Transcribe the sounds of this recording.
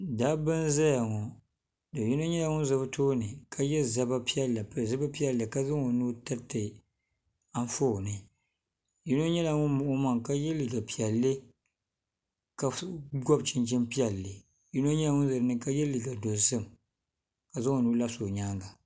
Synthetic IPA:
daː˦bɨ˦nza˦ja˨ŋɔ˨ | dɨ˨ji˦no˦ɲɛ˦la˨ŋʊ˦n˦zɨ˦btʰoː˦nɨ˨kʰa˦jɛ˦za˦ba˦pi˦ɛ˦lːa˨pzɨ˦ba˦pi˦ɛ˨lːɨ˨ka˦zɨ˦ŋo˨nuː˦tɨ˦tɨ˨ | a˦n˦foː˦˨nɨ˨ | ji˦no˦ɲɛ˦la˨ŋʊ˦nmʊ˨ʔʊ˦ma˦ŋka˦jɛ˦lɨ˨ɡa˨pi˨ɛ˨lːɨ˦ | ka˨ɡɔ˦bt͡ʃɪ˦nt͡ʃɪ˦mpi˦ɛ˨lːɨ˨ | ji˦no˦ɲɛ˦la˨ŋʊ˦nzɨ˨ɾɨ˦nɨ˦ka˦jɛ˦lɨ˨ɡa˨do˨zɨ˦m˨ | ka˨zɪ˦ŋo˨nuː˦la˦so˨ɲaː˦ŋɡa˨

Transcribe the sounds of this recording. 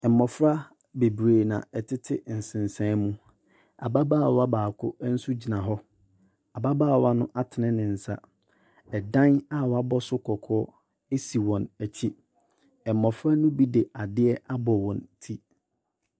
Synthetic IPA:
ɛ˨mɔ˨fɾa˦ | be˨bɾeː˨nã̰˨ɛ˨tʰɪ˦tʰɪ˦n̩˨sɪ̃˨n˨sɛ̃˦mũ˦ | a̰˨ba˦baː˦˨wa˦baː˨kʰʊ̰˦n̩˦sʊ˦d͡ʑi˨nã˨ɦɔ˦ | a˨ba˦baː˦˨wa˦nʊ̃˦ʔa˦tʰɪ˨nɪ̃˦nɪ̃˨n̩˨sa˦ | ɛ˨dã˦na˦wɔ˨a˦bɔ˦sʊ˦kʰɔ˨kʰɔː˦ | e˦si˨wɔ̃˨næ˨t͡ɕʰi˦ | ɛ˨mːɔ˨fɾa˦nʊ̃˦bi˦de˨a˨dɪ˦ɛ˦a˦bɔ˨wɔ̃˨ntʰi˦

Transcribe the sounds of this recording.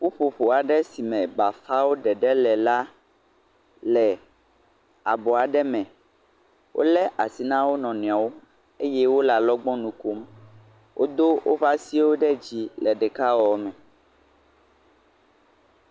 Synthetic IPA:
ɸo˦ɸo˨ɸo˨a˨ɖɛ˦si˨mɛ̃˨ba˨fa˦wo˦ɖɛ˨ɖɛ˦lɛ˨la˦ | lɛ˨ | a˨bɔ˨a˨ɖɛ˦mɛ̃˨ | wʔo̰˦lɛ˦ʔa˨si˨nã˦wo˦nɔ̃˨nũ˨a˨wo˦ | e˦jɛ˦wo˦la˨lɔ˦ɡ͡bɔ̃˦nũ˨ko˦m | wʔo̰˦d̪o˦wʔo̰˦va˦si˦wo˦ɖɛ˦d͡ʑi˦lɛ˨ɖɛ˨ka˦wɔ˨mɛ̃˨

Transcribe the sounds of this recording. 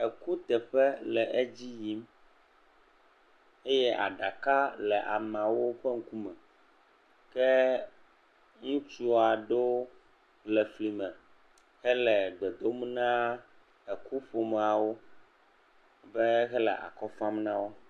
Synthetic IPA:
ɛ˨ku˦t̪ɛ˨ɸɛ˦lɛ˨ʔe˦d͡ʑi˦ji˦m | e˦jɛ˦ʔa̰˨ɖa˨ka˦lɛ˨ʔa̰˨mã˨wo˦ɸɛ˦ŋ̩˦ku˦mɛ̃˨ | kɛ˦ | ŋũ˦t͡ʃu˦a˨ɖo˦ | lɛ˨fli˨mɛ̃˨ | ɣɛ˦lɛ˨ɡ͡bɛ˨d̪o˦m˦nã˦ | ɛ˨ku˦ɸo˨m˨a˨wo˦ | bɛ˦ɣɛ˦lɛ̰˨ʔa̰˨kɔ˦fa˦mnã˦wo˦

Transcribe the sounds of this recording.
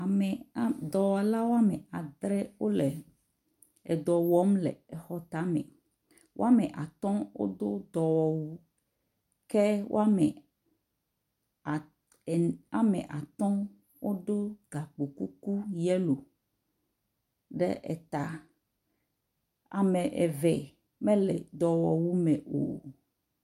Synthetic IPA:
a˨mɛ˨˦d̪ɔ˨wa˨la˦wo˦a˦mɛ˨a˨d̪ɾɛ˦wo˦lɛ˨ | ɛ˨d̪ɔ˨wɔ˦mlɛ̰˨ɛ˨xɔ˦t̪a˨˦mɛ̰̃˨ | wʔo̰˦a˦mɛ˨ʔa˨t̪ɔ̃˦wo̰˦d̪o˦d̪ɔ˨wɔ˨wu˦ | kɛ˦wʔo̰˦a˦mɛ˨ | a˨mẽ˨ʔa˨t̪ɔ̃˦ | wo˦do˦ɡa˨k͡po˨ku˦ku˦jɛ˦lo˨ | ɖɛ̰˦ʔɛ̰˨t̪a˨ | a̰˨me˨ʔɛ˨vɛ˨ | mɛ̃˦lɛ̰˨d̪ɔ˨wɔ˨wu˦mɛ˨ʔo̰˨

